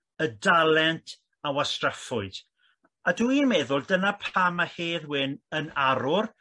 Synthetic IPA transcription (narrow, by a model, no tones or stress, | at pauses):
ədalɛntʰ | awastrafʊɨd̥ | aduinmɛðʊlˠdənapʰamaheːðwɪnənaɾʊr